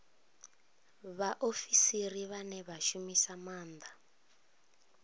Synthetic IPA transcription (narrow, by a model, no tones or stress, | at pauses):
βaʔofisiriβanɛβaʃumisamaːnd̪a